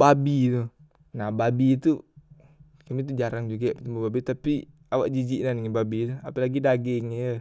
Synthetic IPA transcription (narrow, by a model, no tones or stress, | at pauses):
babit̪u | nababit̪u | kamit̪̬ud͡ʒaɾaŋd͡ʒuɡapt̪umbubabit̪api | awaʔd͡ʒid͡ʒiʔnaniŋibabit̪uapalaɡidaɡɛŋjə